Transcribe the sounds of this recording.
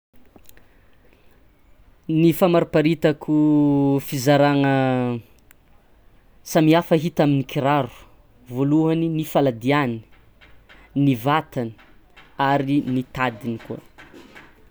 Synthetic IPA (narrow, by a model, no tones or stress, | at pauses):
nifamaɾupaɾit̪akʰufizaɾaŋə | samiafəɦit̪aminikiɾaɾu̥ | voluɦaninifalad̪iani̥ | nivat̪ani̥aɾinit̪ad̪inikuə̰